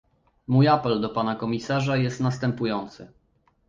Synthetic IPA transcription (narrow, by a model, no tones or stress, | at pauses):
mujapɛld̪ɔpanakɔmʲisaʐajɛst̪nast̪ɛmpujɔnt̪sɘ̰